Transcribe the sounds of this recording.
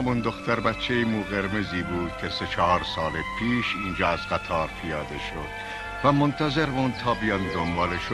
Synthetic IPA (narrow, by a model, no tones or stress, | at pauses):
æmund̪oxt̪æɾbæt͡ʃʰːejimuːɣeɾmeziːbuːd̪̥kʰeset͡ʃʰɒɦɒːɾsɒːlepʰiːʃind͡ʒɒːæzɡæt̪ʰɒːɾpʰijɒːd̪eʃod̪̥ | væmont̪ʰæzeɾmunt̪ʰɒːbijɒnd̪ombɒːleʃo